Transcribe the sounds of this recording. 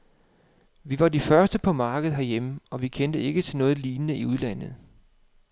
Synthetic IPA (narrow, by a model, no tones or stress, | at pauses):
ʋiʋɑ̈d̥ifɶɐsd̥əpʰɒ̽mɑ̈ːɡ̥əð̞̩ˠɦæɐjeməɒ̽ʋikʰend̥əe̝ɡ̥ət͡sʰe̝lnɔ̽ːð̩ˠliːnənəʔiuð̞ˠlæn̰ð̞̩ˠ